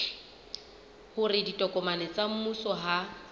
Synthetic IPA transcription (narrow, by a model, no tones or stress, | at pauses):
hʊrɪditʼɔkʼɔmanɛt͡sʼam̩musɔɦa